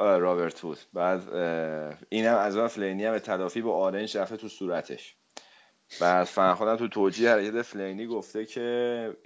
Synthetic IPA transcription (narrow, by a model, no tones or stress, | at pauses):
ɾɒːβeɾt̪ʰbuːd̪bæːd̪ | iːnhæmæzɒːeflejniæmbet̪ʰælɒːfiːbɒʔɒːɾend͡ʒɾæft̪e̞t̪ʰusuːɾæt̪ʰe̞̰ʃ | b̥æd̪̥fænxod̪æmt̪ʰut̪ʰoːd͡ʒiːhehæɾecæt̪eflejniːɡoft̪e̞cʰe